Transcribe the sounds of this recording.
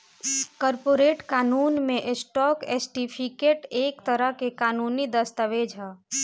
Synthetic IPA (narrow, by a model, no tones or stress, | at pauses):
kɔɾpoɾeʈkaːnuːnmẽʔsʈɔːkesʈipʰikeʈeːkt̪əɾəɦkekaːnunid̪əst̪əʋed͡ʒʱə